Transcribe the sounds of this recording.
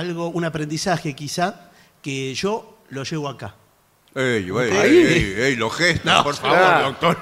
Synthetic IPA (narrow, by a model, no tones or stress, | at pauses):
alɣo̞unapɾend̪isaxekisa | keʒo | lo̞ʒeɣoaka | ejβejeeejloxest̪nõ̰poɾfaoɾd̪ok̚t̪oɾ